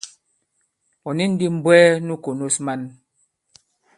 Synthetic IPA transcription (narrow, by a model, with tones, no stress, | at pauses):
ɔ˨ni˦n̩˦di˦m̩˦bwɛː˦nu˦ko˨no˦sma˦n